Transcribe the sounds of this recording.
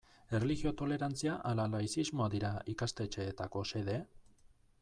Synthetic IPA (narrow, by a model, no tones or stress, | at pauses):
e̞reliɣio̞t̪o̞le̞ɾant͡siaʔalalajsizmo̞ad̪iɾaikast̪e̞t͡ʃe̞ːt̪ako̞se̞ðe̞